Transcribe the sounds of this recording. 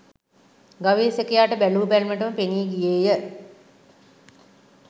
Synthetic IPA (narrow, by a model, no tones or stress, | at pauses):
ɡaʋeːsekəjaːʈəbæluːbælməʈəməpeniːɡijeːjə